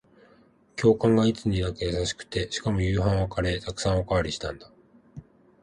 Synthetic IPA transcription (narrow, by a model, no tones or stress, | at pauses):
kʲo̞ːkãŋɡait͡sɨɲ̟inakejasaɕi̥kɯ̟̥t̪e̞ɕi̥kamo̞jɯ̟ːɦãɰ̃βakaɾe̞t̪akɯ̟̥sãɰ̃o̞kaːɾʲiɕi̥t̪ãnd̪a